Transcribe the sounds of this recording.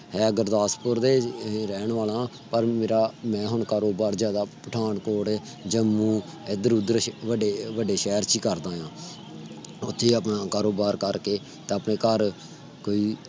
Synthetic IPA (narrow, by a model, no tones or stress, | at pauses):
ɦɛːəɡəɾd̪aːspʊɾd̪eːɾɛːɳʋaːlãː | pəɾmeːɾaːmɛ̃ːɦʊɳkaːɾoːbaːɾzjaːd̪aːpəʈʰaːɳkoːʈɛː | d͡ʒəmũː | eːd̪əɾud̪əɾʋəɖeːʋəɖeːʃɛːɾt͡ʃiːkəɾd̪ãːjãː | ʊt̪ʰːeːəpnãːkaːɾoːbaːɾkəɾkeː | t̪eəpneːkəɾ | koːiː